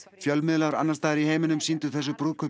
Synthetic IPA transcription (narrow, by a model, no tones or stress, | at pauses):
fjœlmɪðlaɾa̰nːaɾ̥st̪aːðɪɾiɦeːjmɪnʏmsint̪ʏθɛs̬ːʏpɾuːðkʰʏ